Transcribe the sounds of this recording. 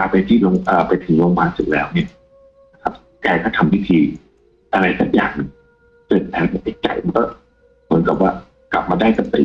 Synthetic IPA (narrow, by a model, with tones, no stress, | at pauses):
aː˧pa˧jt̪ʰiː˥˩lo˧ŋʔəː˨˩pa˧jt̪ʰɯ˩˦ŋloː˧ŋmaː˧nsu˨˩k̚lɛ̰ː˦˥wni˥˩ɐ | na˧kʰa˦˥p̚ | kaː˧jkɔː˥˩t̪ʰa˧mwi˦˥˩t̪ʰiː˧ | ʔa˧ɾa˧jsa˨˩k̚ja̰ː˨˩ŋni˧˩ | tɤː˨˩t̪̚ʔɛː˨˧˥ŋma˧˩ʔa˥˩t͡ɕa˨˩jma˧nkɔː˥˩ | mɯ˩˦ənka˨˩p̚waː˥˩ | kla˨˩p̚maː˧daː˥˩jsa˧t̪ḭː˨˩